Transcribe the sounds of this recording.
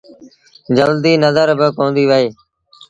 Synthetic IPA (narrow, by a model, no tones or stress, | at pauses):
d͡ʒəld̪iːnəzəɾbəkõːnd̪iːʋəɦeː